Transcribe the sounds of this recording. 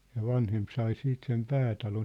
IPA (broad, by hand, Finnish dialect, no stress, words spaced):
jɑ ʋɑnhemp sɑi siːt sem pæːtɑlon